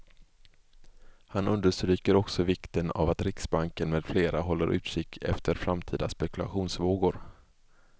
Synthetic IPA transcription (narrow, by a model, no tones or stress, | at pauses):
hanɵnd̪əʂt̪ɾyːkəɾɔksɔvɪkt̪əna̰vat̪ɾɪksbaŋkənmeːd̪̥fleːɾʔaɦɔlːəɾʔʉ̟̰ːt̪ʂɪkt̪ʰɛ̰ft̪ʰəɾfɾamt̪ʰiːd̪aspɛkɵla̰ɧuːnsvoːɡʊɾ